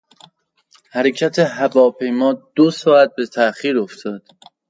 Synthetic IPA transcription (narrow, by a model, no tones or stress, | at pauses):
hæɾecʰæt̪ʰeɦævɒːpʰe̞jmɒːd̪̥osɒːæt̪̚be̞t̪ʰæxiːɾoft̪ʰɒːd̪̥